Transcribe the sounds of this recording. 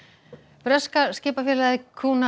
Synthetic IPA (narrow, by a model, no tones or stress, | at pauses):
fɾœskascɪːpafjɛːlakʰuːna